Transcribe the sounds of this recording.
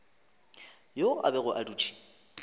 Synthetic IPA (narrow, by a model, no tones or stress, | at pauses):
joʔa̰bɛɣʊʔaduːt͡ʃʰʼi̥